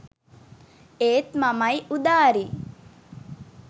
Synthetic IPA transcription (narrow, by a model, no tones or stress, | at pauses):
eːt̪mamɐjʔud̪aːɾi